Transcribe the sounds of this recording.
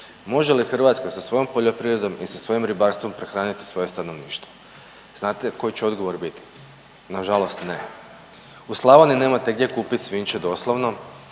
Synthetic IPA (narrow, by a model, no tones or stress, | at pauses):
mo̞ʒelixr̩ʋat̪skasasʋo̞jo̞mpo̞ʎopɾiːʋɾed̪o̞misasʋo̞jimɾibaːɾst̪ʋo̞mpɾexɾaːnit̪i̥sʋo̞je̞st̪ano̞ʋniːʃt̪ʋo | z̥naːt̪e̞ko̞jit͡ɕeo̞d̪ɡo̞ʋo̞ɾbit̪i̥ | naʒalo̞st̪ne̞ | uslˠaʋonine̞ːmat̪eɡd̪ʲje̞kuːpit̪ʲsʋiːnt͡ʃed̪o̞slˠoʋno̞